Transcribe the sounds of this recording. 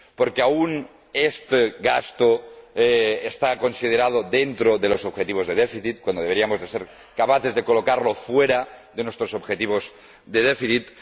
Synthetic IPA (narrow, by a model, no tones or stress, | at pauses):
poɾkeaun | est̪eɣast̪o | est̪ako̞nsið̞eɾað̞oðent̪ɾoðe̞lo̞sobxet̪iβ̞o̞zðeð̞efiθit̪kwand̪o̞eeɾiamozðe̞seɾ | kapaθe̞zðekolo̞kaɾlo̞fweɾaðenwest̪ɾosobxet̪iβ̞o̞z | ðeð̞efiθit̪